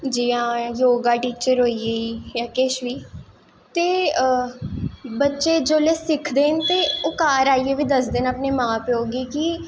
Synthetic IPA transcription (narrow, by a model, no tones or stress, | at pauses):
d͡ʒiːãːjoːɡaːʈiːt͡ʃəɾɦoːiːeːijaːkɪʃʋiː | t̪eː | bətːʃeːd͡ʒoːleːsɪkʰd̪eːnt̪eːʊkaːɾaːiːeːʋiːd̪əsd̪ɪnəpneːmãːpeoːɡiːki